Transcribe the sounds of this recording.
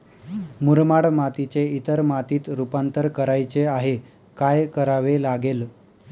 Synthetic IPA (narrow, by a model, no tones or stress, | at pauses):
muɾmaɽmat̪it͡seit̪əɾmat̪iːt̪ɾupant̪əɾkəɾajt͡seaɦe | kajkəɾaʋelaɡel